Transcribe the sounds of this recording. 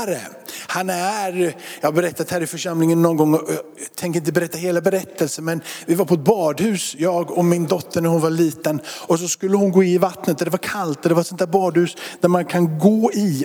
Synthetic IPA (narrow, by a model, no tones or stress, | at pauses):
ɾə̰ | hanæɾjɑːhabɛɾɛt̪ːat̪hæɾəɪfœʂamlɪŋənːɔnɡɔŋːɑ | t̪ʰɛŋkəɾɪnt̪əbɛɾɛt̪ːaɦeːlabɛɾɛt̪ːəlsənmɛnvɪvaɾpʰɔɛt̪̚bɑːd̪hʉ̟ːsjɑːɡɔmɪnd̪ɔt̪ʰːəɳæɾhʊnvaɭiːt̪ənɔs̬ɔskɵlːəhʊnɡoːɪnɪvat̪nət̪ɔd̪ɛvaɾkʰalt̪ɔd̪ɛvaɾsɔnt̪ʰæːɾbɑːd̪hʉ̟ːsd̪̥æɾmankʰanɡoːɪ